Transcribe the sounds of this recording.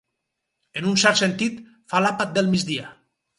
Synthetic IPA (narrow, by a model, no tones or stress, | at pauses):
enunsɛɾt̪sent̪it̪ | falapat̪̚d̪elˠmid͡ʒd̪ia